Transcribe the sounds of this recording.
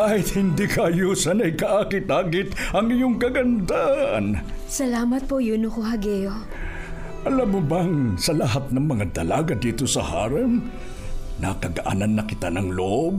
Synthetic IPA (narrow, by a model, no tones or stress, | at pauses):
kaːhɪt̪hɪnd̪ikɐʔɐjuːsɐnɐjkɐʔakɪt̪aːɡɪt̪ʔɐŋɪjoŋkɐɡɐnd̪aʔnsɐlaːmɐt̪̚pojunokoɦɐɡɛjo | ʔɐlamʊbɐŋsɐlɐɦat̪̚nɐŋmɐŋad̪ɐlaːɡɐd̪iːt̪o̞sɐ̰ha̰ːɾɛŋ | nɐkɐɡɐʔa̰ːnɐnːɐkɪt̪anɐŋloʔob̚